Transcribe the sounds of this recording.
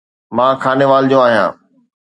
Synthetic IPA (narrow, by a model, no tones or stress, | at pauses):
mãːkʰaːneʋaːld͡ʑoːaːɦijã̰ː